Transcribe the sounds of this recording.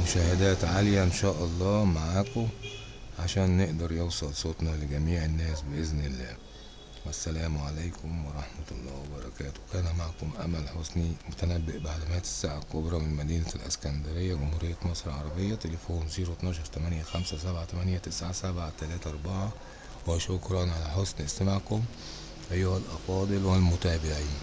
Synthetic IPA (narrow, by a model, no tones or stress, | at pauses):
mʊʃæːhed̪æːt̪ʕaljæʔnʃæːʔɑlˤːɑːmaʕaːko | ʕaʃæːnːeʔd̪ɑɾˤjowsˤɑlsˤot̪nɑlɪɡæmiːʕenːæːsbeʔeznɪlːæː | wæsːælæːmʕalæjkʰʊmwɑɾˤɑħmæt̪ɑlˤːɑ̰ːwebɑɾˤɑkæːt̪o̥kæːnæmaʕkomʔæ̰mælħosˤnimʊt̪ænæbːɪʔbaʕlumæːt̪ɪ̥sːaʕakobɾˤɑmɪnmæd̪iːnælʔæ̰skænd̪æɾejːæɡʊmhuːɾɪjːæmɑsˤɾʕɑɾˤɑbejːæt̪elefoːnziːɾot̪nɑːʃ̬ɑɾˤt̪æmænjæxæmsæsæbʕat̪æmænjæt̪ɪsʕasæbʕat̪ælæːt̪ʔɑɾˤbɑʕa | wæʃokɾˤɑnʕalæħosnist̪æmaʕkʊm | ʔæjːʊhælʔɑfɑːd̪ˤɨlwælmʊt̪æːbɪʕiːn